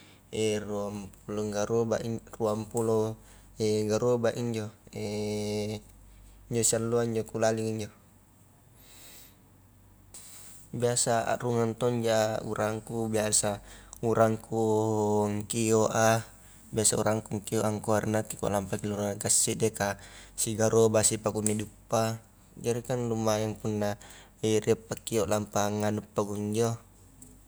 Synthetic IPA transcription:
eɛruampuloŋɡaɾoba̰ʔruampulo | ɛɡaɾobaʔiɲd͡ʒoɛ | iɲd͡ʒosialːuaiɲd͡ʒokulaliŋiɲd͡ʒo | biasaa̰ruŋant̪ɔɲd͡ʒaṵɾʔaŋkubiasauɾaŋku | ŋkioʔa | biasaṵɾaŋkuŋkioʔaŋkuaɾinakikua̰lampakiluɾaŋakasːiʔdekasiɡaɾobasipakunidupːa | d͡ʒaɾikanlumajaŋpunːa | iriapːakiɔʔlampaŋanupːaɡuŋɲd͡ʒo

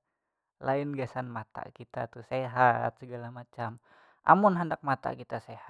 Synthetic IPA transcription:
lʔaɪnɡasanmat̪a̰kit̪at̪useɦat̪̚səɡalamat͡ʃam | ʔa̰mʊnɦandak̚mat̪a̰kit̪aseha

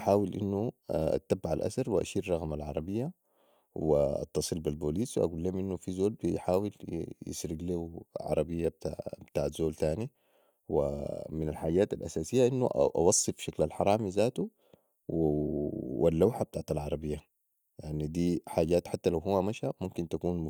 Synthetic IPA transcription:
ʔaħaːwilʔḭnːuʔa̰t̪ːabːʕalʔa̰sɑɾˤwiʔa̰ʃiːɾɾˤɑɣmalʕɑɾˤɑbijːa | wiʔɑ̰t̪ːɑsˤɨlbilboːliːsw̰ʔa̰ɡulːeːmʔinːufizoːlbijħaːwiljḭsɾiɡliuʕɑ̰ɾˤɑbijːab̪̚abt̪aːʕt̪z̥oːlt̪aːni | wḭminalħaːɟaːt̪alʔa̰saːsijːaʔinːuʔʔɑ̰wɑsˤːɨfʃaklalħɑɾˤɑːmizaːt̪u | w | walːawħab̥̚t̪aʕt̪alʕɑɾˤɑbijːa | jaʕnid̪iːħaːɟaːt̪ħat̪ːalawɦuwːamaʃamumkint̪akuːnm

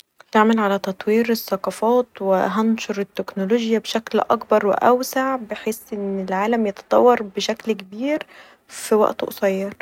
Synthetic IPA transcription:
t̪aʕmælʕalæt̪ɑt̪ˤwiːɾesːɑqɑfɑːt̪wɪ̰ɦɑnʃoɾet̪ːeknoloʒjæbeʃæklʔɑ̰kbɑɾˤwɪ̰ʔæwsaʕbeħeːsʔɪnːɪlʕaːlæmjɑt̪ɑ̥t̪ˤɑ̰wːɑɾˤbeʃæklkebiːɾ | fiwæ̰ʔt̪ʔo̰sˤɑjːɑɾˤ

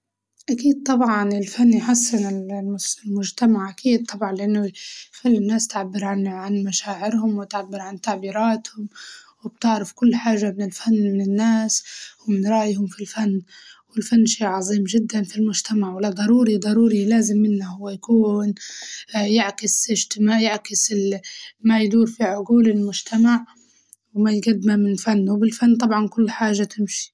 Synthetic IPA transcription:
ʔakiːd̪̚t̪ˤɑbʕɑnɪlfanːjħasːɪnɪlʊlmʊʒt̪amaʕʔakiːd̪̚t̪ˤɑbʕɑnlɪʔanːʊxalːɪnːaːst̪ʕabːɪɾʕanʕanmaʃaːʕɪɾhʊmwɪt̪ʕabːɪɾʕant̪aʕbiːɾaːt̪hʊmwɪb̥̚t̪ɪʕɾɪfkʊlːħaːʒːamɪnɪlfanːmɪnɪnːaːswmɪnɾˤɑːʔjhʊmfilfanːwɪlfanːʃeːʕɑzˤiːmʒɪd̪ːanfilmʊʒt̪amaʕwɪlad̪ˤɑɾˤuːɾid̪ˤɑɾuːɾilaːzɪmːɪnːahʊwːajkuːn | jaʕkɪsɪʒt̪ɪmaːjaʕkɪsɪlmajd̪uːɾfiʕʊɡuːlɪlmʊd͡ʒt̪ʰamaʕ | wmajɡad̪ːmamɪnfanːwbɪlfanːt̪ˤɑbʕɑnkʊlːħaːʒːat̪ɪmʃi̥

